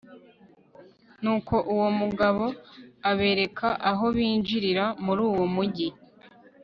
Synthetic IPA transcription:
nuːko̞ʔuwo̞muɡaβo̞aβe̞ːɾe̞kʰaʔaɦo̞βiːnʒiɾiɾamuɾuːwomuɟi

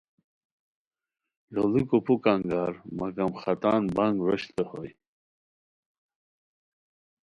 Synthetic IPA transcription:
jolikupukaŋɡaɾmɐɡɐmχɐt̪anbaŋɡɾɔɕt̪ehoj

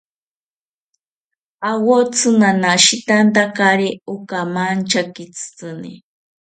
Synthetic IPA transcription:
awot͡sʰɨŋanaʃit̪ant̪akaɾeukamant͡ʃakit͡sɨ̥t͡sɨnḭ

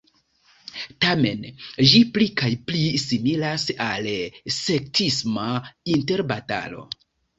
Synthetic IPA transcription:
tame̞nd͡ʒiplikajplisimilasalse̞k̚tʰismainte̞ɾbata̰lo̞̰

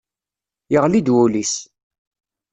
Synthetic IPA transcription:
jəʁlid̪wulis

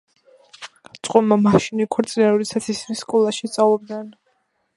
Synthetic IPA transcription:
t̪sʼqʼɔmamaʃinikʰɔɾt̪sʼinɛɾuɾisat̪sʰisniskʼɔlˠaʃist̪sʼavlˠɔb̚d̪nɛn

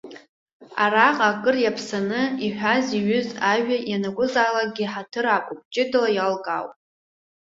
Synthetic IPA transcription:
araqʼaːkʼɨrjapʰsanɨiħʷᶣaziɥʏzaʒᶣajanaɡʷʊzaːlak̚ʼɡʲiħatʰɨɾakʷʼʊp̚ʼt͡ʃʼɪdɨlajalɡʼa̰wpʼ

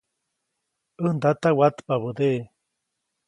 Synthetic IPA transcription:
ɨnd̪at̪awat̪paβɨd̪e

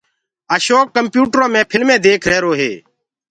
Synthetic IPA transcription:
əːʃoːkːəmpjuːʈɾõːmẽːpʰɪlmẽːd̪eːkʰɾɛːɾoːɦḛː

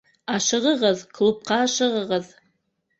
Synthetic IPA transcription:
aʂɨʁəʁəzkʰlup̚qʰaːʂɨʁəʁəz

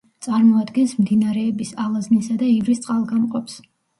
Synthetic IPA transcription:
t̪sʼaɾmɔad̪ɡɛnsmd̪inaɾɛːbisalˠaznisad̪aivɾist̪sʼalˠɡamqʼɔps

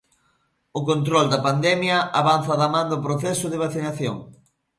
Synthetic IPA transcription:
ʊkont̪ɾɔld̪ɐpand̪ɛmjɐaβanθɐðamãnd̪ʊpɾoθɛsʊðeβ̞aθinaθjo̰ŋ

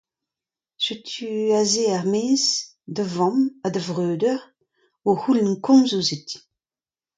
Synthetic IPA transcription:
sytʰyazeaʁmeːz | dəvɔ̃madəvʁøːdœʁ | wohulɛnkʰɔ̃mzozit

